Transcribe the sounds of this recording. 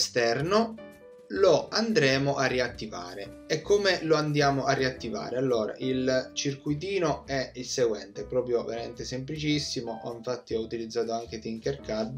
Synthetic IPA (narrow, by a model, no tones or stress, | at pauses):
st̪ɛrno | loand̪ɾɛːmoʔarːiat̪ːiva̰ːɾe | ɛkʰːomeloand̪jaːmoʔarːiat̪ːiva̰ːɾealːoːɾa̰ʔilt͡ʃirkujt̪̬iːnoɛilseɡwɛ̰nt̪epɾɔːpɾjoveɾament̪esemplit͡ʃisːimoʔɔiɱfat̪ːiɔut̪ilid̪zːaːt̪oaŋk̟et̪iŋkerkad̪